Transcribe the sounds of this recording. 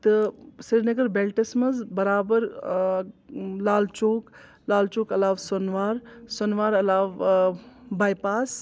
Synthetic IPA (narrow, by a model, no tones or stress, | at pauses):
t̪ɨsiɾnɐɡɐɾbelʈɐsmɐzbɐɾaːbəɾ | laːlt͡ʃoːk | laːlt͡ʃoːkɐlaːʋsonʋaːɾsonʋaːɾɐlaːʋ | baːjpaːs